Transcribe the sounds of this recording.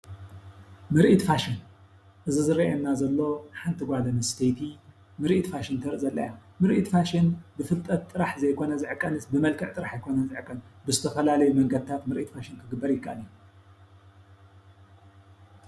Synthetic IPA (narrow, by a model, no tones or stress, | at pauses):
mɨɾʔit̪faʃɪn | ʔɨzizɨɾiaemnazɐlːo̞ħant̪ʰiɡʷad̪ɐnɨst̪ʰejt̪ʰi | mɨɾʔit̪faʃɪnt̪ʰɐɾzʼɐlːɐ̰ja | mɨɾʔit̪faʃinbɨfɨlt̪ʼɐt̪t̪ʼːɨɾaħzɐjkʰo̞nɐzɨʕkʼːɐnɨsbɨmɐlkʰɨʕt̪ʼɨɾaħajkʰo̞nɐnzɨʕkʼːɐnbɨzɨt̪ʰɐfɐlalɐjumɐŋɡɐd̪ɨt̪ʰat̪mɨɾʔit̪faʃɪnkʰɨɡɨbːɐɾjɪkʰːa̰ʔalju